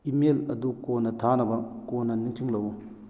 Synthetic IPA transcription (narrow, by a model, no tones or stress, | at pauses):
imelɐdukonːɐtʰanɐbɐkonːɐniŋtʰiŋlɐwu